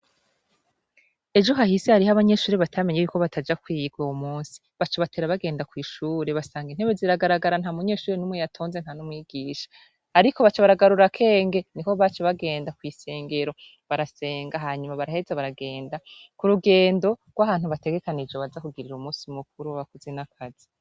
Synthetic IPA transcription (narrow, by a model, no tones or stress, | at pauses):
e̞d͡ʒo̞ɦahisehaɾihaβaɲe̞ʃuːɾeβatʰame̞ɲejuko̞βatʰad͡ʒakwiɡɡwowumuːnsi̥ | βat͡ʃeβateɾaβaɡe̞ːndakwiːʃuːɾe̞βasaːŋɡin̥he̞βeziɾaɡaɾaɡaɾan̥hamuɲe̞ːʃuːɾenumwejatʰo̞ːnze̞n̥hanumŋiːɡiːʃḁː | ɾiko̞βat͡ʃeβaɾaɡaɾuɾakʰe̞ːŋɡe̞niko̞βat͡ʃeβaɡe̞ːndakwiːse̞ːŋɡe̞ɾo̞ | βaɾase̞ːŋɡaɦaːɲumaβaɾahe̞zaβaɾaɡe̞ːndakuɾuɡe̞ːndo̞ɡ̥wahaːnhuβate̞ɡe̞kanid͡ʒoβazakuɡiɾiɾumuːsiumuk̚uɾuβakuzenakʰazi